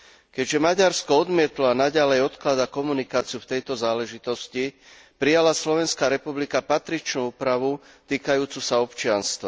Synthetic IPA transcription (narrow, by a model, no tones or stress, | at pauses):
kɛɟʒɛmaɟaɾskɔɔd̪mɪɛt̪lɔanaɟalɛjɔt̪klad̪akɔmunikaːt͡sɪjuft̪ɛjt̪ɔzaːlɛʒit̪ɔsci | pɾijalaslɔʋɛnskaːɾɛpublikapat̪ɾit͡ʃnuːuːpɾaʋu | t̪iːkajuːt͡susaɔpt͡ʃɪanst̪ʋa